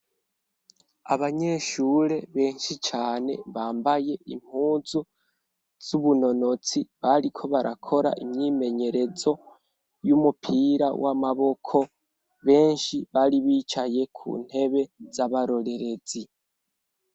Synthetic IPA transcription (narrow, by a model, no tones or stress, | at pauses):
a̰βaɲe̞ʃuːɾe̞βe̞ːnʃit͡ʃaːne̞̰βaːmbaje̞ʔim̥huːzu | z̥uβuno̞no̞t͡siβaɾikʰo̞βaɾʔa̰kʰo̞ɾa̰ʔimɲime̞ɲe̞ɾe̞zo̞ | jumupʰiɾawʔamaβo̞kʰo̞ | βe̞ːnʃiβaɾiβiːt͡ʃaje̞kʰṵːn̥he̞βe̞z̥aβaɾo̞ɾe̞ɾe̞zi